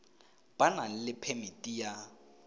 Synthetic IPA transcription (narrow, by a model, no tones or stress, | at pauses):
b̥anan̩lɪpʰɛmɪtʼija